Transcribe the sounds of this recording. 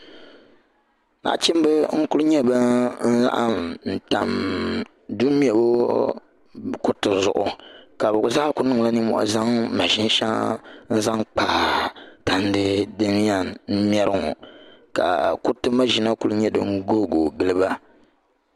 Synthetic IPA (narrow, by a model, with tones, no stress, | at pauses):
na̰˨t͡ʃi˦m˦bɨ˦ŋ̩˦kʊ˦lɲɛ˦bɨ˦n̩˦za̰˦ʔa˦mn̩˨ta˨m | du˦mi˦ɛ˨bo˦ | kʊ˦ɾtɨ˨zʊ̰˨ʔʊ˨ka˨bʊ˨ɡʊ˨zaː˦kʊ˦nɨ˦ŋla˦nɨ˦mɔ̰˨ʔa̰˦za˦ŋma˨ʃi˦n˦ʃa˦ŋn̩˦za˦ŋk͡paː˨ta˨n˦dɨ˦dɨ˦m˦a˨nn̩˦mi˦ɛ˦ɾɨ˦ŋɔ̰˨ka̰˨kʊ˦ɾtɨ˦ma˦ʒi˨na˦ku˦lɲɛ˦dɨ̰˦ŋ̩˦ɡo˦˨ɡo˨ɡɨ˨lɨ˦ba˦